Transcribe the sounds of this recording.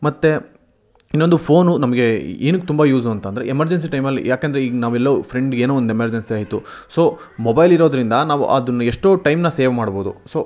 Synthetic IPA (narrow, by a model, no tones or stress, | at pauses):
mɐt̪ːe̞ | inːo̞nd̪upʰoːnunɐmɐɡe̞iːnukːet̪umbɐjuːzuɐnt̪ɐnd̪ɐɾḛemɐɾd͡ʒens̬iʈɐjmɐlːḭjaːkend̪ɐɾeiːɡnaːʋuɛlːɐupʰɾeɳɖɡeːnuːond̪emɐɾd͡ʒensiaːjit̪uso̞ː | mɔbɐjliɾo̞ːd̪ɐɾind̪ɐnaːʋṵʔɐ̰d̪ɐnːueʂʈoːʈɐjmnɐseːʋmaːɽboːd̪ṵso̞ː